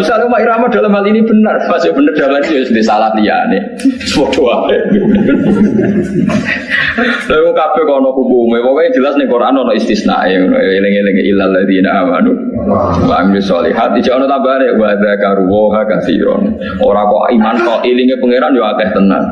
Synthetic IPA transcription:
usalkumaiɾamad̪̥a̤lamhalinib̥ənərpasjob̥ənərd̪̥alanijosənd̪isalat̪lija̰ne | səpɔd̥owaɛ | tɔkukab̥ɛhkɔnɔkukumewɔkɛi̥d͡ʒ̥əlasnɪŋkoɾaanɔnɔist̪isna̰ʔeŋnɔ̰elɪŋelɪŋʔilalːaðinaʔama̰nu | wa̰minisɔ̰lḭɦat̪̚id̥d͡ʒ̥aɔnɔt̪ambaɦanewad̪akaɾuwɔɦakad̪ḭɾɔ̰n | ʔoɾakɔ̰imankɔʔilɪŋepəŋeɾanjoakɛht̪əna̰n

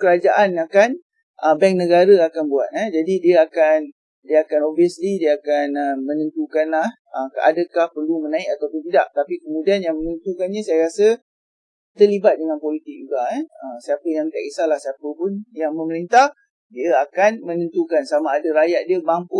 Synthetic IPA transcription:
kəɾad͡ʒaʔanakan | ʔəbɛŋknəɡaɾəakanbuat̪̚ɛd͡ʒadidiəakan | diəakanoviəslidiəakanəmənə̃nt̪ukanlah | əka̰dəkahpərlumənãik̚at̪awpʊnt̪idaʔ̚t̪apikəmũdianjaŋmənənt̪ukanɲasajaɾasə | t̪ərlibat̪̚dəŋanpolit̪ɪk̚d͡ʒuɡaɛəsiapəjaŋt̪akisalahsiapəpʊnjaŋmə̃məɾint̪ah | diəakanmə̃nənt̪ukansamaːdəɾajaʔ̪̚diəbampu

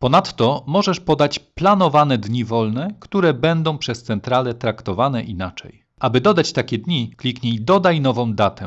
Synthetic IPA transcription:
pɔnat̪ːɔmɔʐɛʂpɔd̪at͡ɕplanɔvanɛd̪ɲivɔlnɛkt̪uɾɛbɛnd̪ɔ̃w̃pʂɛst̪sɛnt̪ɾalɛt̪ɾakt̪ɔvanɛʔinat͡ʂɛ̰j | ʔabɘd̪ɔd̪at͡ɕt̪akʲɛd̪ɲiklʲikɲejd̪ɔd̪ajnɔvɔ̃w̃d̪at̪ɛ̰

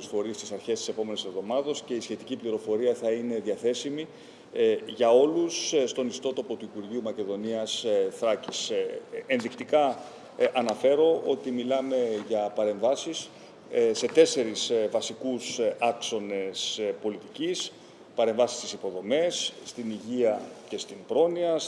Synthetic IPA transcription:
usfo̞ɾist̪isɐɾçe̞st̪ise̞po̞me̞nese̞vðo̞mɐðɐsce̞isçe̞t̪icipliɾo̞fo̞ɾiɐθɐine̞ðiɐθe̞simi | ʝɐo̞lusst̪o̞nist̪o̞t̪o̞po̞t̪uipuɾʝiumɐce̞ðo̞niɐsθɾɐcisenðikt̪ikɐ | ʔːnɐfe̞ɾo̞ʔo̞t̪imilɐme̞ʝɐpɐɾe̞ɱvɐsis | se̞t̪e̞se̞ɾisvɐsikusɐkso̞ne̞spo̞lit̪icis | pɐɾe̞ɱvɐsi̥st̪isipo̞ðo̞me̞sːt̪iniʝiɐce̞st̪inpɾo̞niɐ

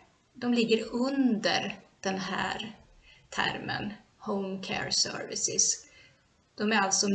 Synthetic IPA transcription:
d̪ɔmlɪɡːəɾɵnd̪ə̰ɾd̪̥ɛnɦæ̰ːɾ | t̪ʰæ̰ɾmə̰n | hoʊmkʰɛ̰ɾsœ̰ɾvɪsɪs | d̪̥ɔmæɾalt̪sɔ

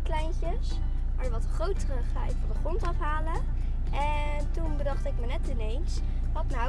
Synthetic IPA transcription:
klɛjncəs | ma̰ɹjəʋɑtəχrowtərəχavɔrdəχrɔntɑfɦaːlə | ʔɛ | tunbədɑχtɪkmənɛtɪnejns | ʋɑtna

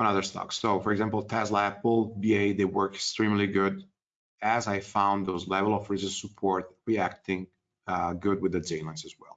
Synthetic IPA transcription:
ə̃nʌðə˞stɔ̰ksoʊfɔɹɛɡzæ̃mpl̩ˠt̪ʰɛslaplˠbieɪd̪ewɜ˞kɛ̥kstɹĩmliɡʊd | æzajfãʊ̃nðozlɛvəl̩ˠɔfɹisəzsupʰɔɹt̪̚ɹiæk̚t̪ɪ̃ŋ | ɡʊd̚wɪðəd͡ʒẽnlãnsɨzwɛ̰lˠ

